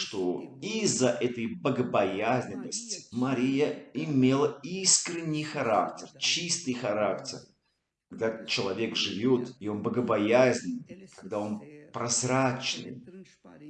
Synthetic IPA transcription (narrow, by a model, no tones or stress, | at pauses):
ʂt̪o̞izːəʔɛt̪əjbəɡəbɐjazʲnʲɪnːəsʲtʲɪ̥mɐɾʲijəɪmʲe̞lˠəiskɾʲɪnʲːɪjxɐɾaktʲɪrt͡ɕist̪ɨjxɐɾaktʲɪ̰r | kɐɡ̚d̪at͡ɕɪlˠɐvʲe̞kʐɨvʲot̪ɪo̞nbəɡəbɐjazʲnʲɪnɨkɐɡ̚d̪ao̞npɾɐzɾat͡ɕnɨ̰j